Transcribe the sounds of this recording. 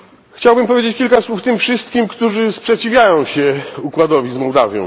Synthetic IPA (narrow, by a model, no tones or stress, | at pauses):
xt͡ɕawbɘmpɔvʲjed͡ʑet͡ɕkʲilkaswuft̪ɘmfʂɘst̪̚kʲimkt̪uʐɘspʂɛt͡ɕivʲjajɔ̃w̃ɕɛukwad̪ɔvʲizmɔwd̪avʲjɔ̰̃